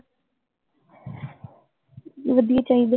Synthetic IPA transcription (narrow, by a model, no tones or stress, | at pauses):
ʋəd̪iet͡ʃaːɦĩd̪e